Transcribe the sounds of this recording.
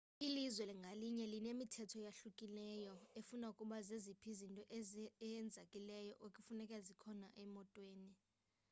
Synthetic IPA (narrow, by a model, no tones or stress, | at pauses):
ilizwɛliŋɡʱaliɲɛlinemitʰɛtʰɔjaɬukʼilɛjɔefunaukʼuɓazezipʰizintʼɔʔɛjɛnd͡zʱakʼilɛjɔ̰ʔokʼifunɛkʼɛzikʰɔnaʔɛmɔtʼweːni